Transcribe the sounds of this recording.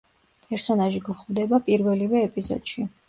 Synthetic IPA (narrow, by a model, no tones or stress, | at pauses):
pʼɛɾsɔnaʒiɡuχvd̪ɛbapʼiɾvɛlivɛːpʼizɔ̰d̪̥ʃi